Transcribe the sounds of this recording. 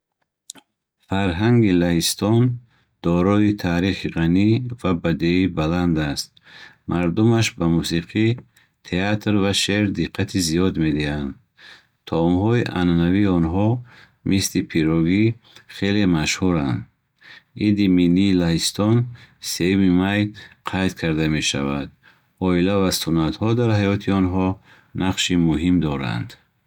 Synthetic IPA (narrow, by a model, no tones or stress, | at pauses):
faɾɦaŋɡilahist̪ɔn | d̪̥ɔɾɔit̪ʰaːɾiχiʁanivabad̪eibaland̪ast̪ | mʔaɾd̪umaʃbamusiqʰi | t̪ʰeat̪ɾvaʃeɾd̪iqʰːat̪ʰizijɔd̪me̞d̪ihand̪ | t̪ʰɔɔmhɔiʔa̰nanaviːɔnɦɔ | mislipʰiɾɔɡiχe̞lemaʃhuɾand̪ | ʔid̪imilːiːlaɦist̪ʰɔnse̞jumimajqʰajt̪kʰaɾd̪ame̞ʃa̰va̰d̪̚ | ɔilavasunat̪hɔd̪aɾhajɔt̪ʰiɔnɦɔ | naqʃimuɦimd̪ɔɾa̰nd̪̥